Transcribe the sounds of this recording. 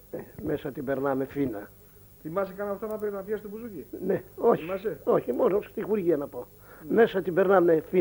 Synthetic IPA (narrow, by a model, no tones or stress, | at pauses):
neme̞sɐt̪ibeɾnɐme̞finɐ | θimɐsekɐnɐft̪ɐnɐpeɾt̪nɐp̪jɐsi̥t̪obuzucineo̞çɐseo̞çimo̞nost̪ixuɾʝiɐnɐpo̞ | me̞sɐt̪ibe̞ɾnɐmefi